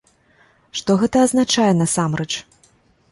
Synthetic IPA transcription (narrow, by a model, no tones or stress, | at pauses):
ʂt̪ɔɣɛt̪ɐːznat͡ʂajɛnɐsamɾɛt͡ʂ